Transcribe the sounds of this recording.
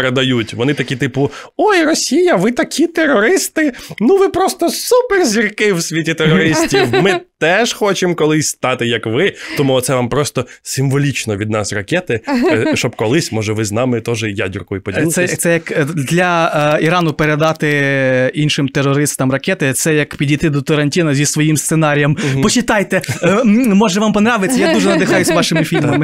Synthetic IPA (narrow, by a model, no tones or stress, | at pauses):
pɾed̪ɐjutʲʋɔnɪt̪ɐkʲit̪ɪpʊojrɔsʲijɐʋɪt̪ɐkʲʰit̪erɔɾɪst̪ɪnuʋɪpɾɔst̪ɔsuperzʲirkɪwsʲʋʲitʲit̪erɔɾɪsʲtʲiwmɪt̪ɛʒxɔt͡ʃemkɔlˠɪsʲst̪ɑt̪ɪjɐkʋɪt̪ɔmuɔt̪sɛʋɑmpɾɔst̪ɔsʲɪmʋɔlʲit͡ʃnɔʋʲid̪nɑsrɐkʲɛt̪ɪʃt͡ʃɔb̚kɔlˠɪsʲmɔʒɛʋɪznɑmɪt̪ɔʒɛja̰dʲʊrkɔjipɔdʲilˠɛjt̪ɛjɐkd̪lʲɐiɾɑnʊpeɾed̪ɑt̪ɪinʃɪmt̪erːɔɾɪst̪ɐmrɐkʲɛt̪ɪt̪sɛjɐkpʲidʲijt̪ɪd̪ɔt̪ɐɾɐnʲtʲinɐzʲisʋɔjimst̪senɑɾʲijɐmpɔt͡ʃɪt̪ɑjt̪ɛ | mɔʒɛʋɑmpɔnɾɑʋɪsʲːɐjad̪uʒɛnɐd̪ɪxɑjʊzʲʋɑʃɪmɪfʲilʲmɐmɪ